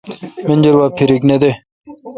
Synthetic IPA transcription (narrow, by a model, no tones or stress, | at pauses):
menʲd͡ʑɐɾwaːpʰiɾikned̪e